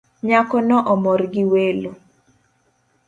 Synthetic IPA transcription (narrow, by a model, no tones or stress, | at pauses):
ɲakɔnɔʔɔmɔrɡiwelo